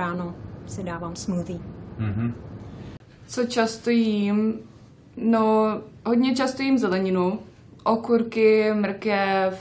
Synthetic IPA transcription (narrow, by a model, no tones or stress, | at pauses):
aːnosɪdaːvaːmsmluviːɦ̩ | t͡sot͡ʃast̪ojim | noɦodɲɛt͡ʃast̪ojiːmzɛlɛɲɪnu | ʔokuɾkɪmɾ̩kjɛ